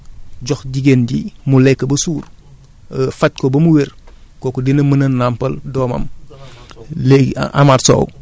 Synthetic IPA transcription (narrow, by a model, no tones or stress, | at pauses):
ɟɔxɟiɡendimulekːɐbɐsuːɾ | fat̚kobɐmuweɾkokodinɐmənɐnːampɐldoːmɐ̰m | leɡʔa̰maɾso̰ːw